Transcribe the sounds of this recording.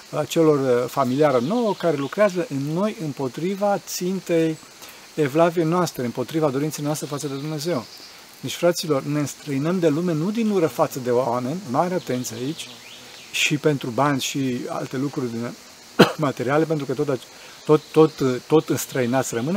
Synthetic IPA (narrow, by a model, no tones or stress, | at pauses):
at͡ʃe̞lo̞rfamiliaɾeno̞wəkaɾe̞lukɾeazəʔɨnːo̞jɨmpo̞t̪ɾivat̪sint̪e̞j | evlavie̞jnoast̪ɾeɨmpo̞t̪ɾivad̪o̞ɾint̪sejnoast̪ɾe̞fat̪səd̪e̞d̪umne̞ze̞w | net͡ʃʲfɾat̪silo̞rne̞ɨnst̪ɾəinəmd̪e̞lume̞nud̪inuɾəfat̪səd̪e̞owame̞nʲmaɾeat̪e̞nt̪sʲait͡ʃʲ | ʃipe̞nt̪ɾubanʲzʲʃia̰lt̪e̞lukɾurʲd̪in | mat̪e̞ɾiale̞p̬e̞nt̪ɾukət̪ot̪a | t̪ot̪ːo̞t̪t̪ːo̞t̪ɨnst̪ɾəinat̪sʲrəmɨne